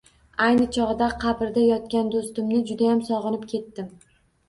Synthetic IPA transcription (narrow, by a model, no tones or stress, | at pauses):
ajnɪt͡ʃʰɒʁɨd̪aqʰɑbɪɾd̪ajɒt̪̚kʲand̪ost̪ɪmnɪd͡ʒʊd̪ajamsɒʁɨnɪpkʲʰe̞t̪ːɪm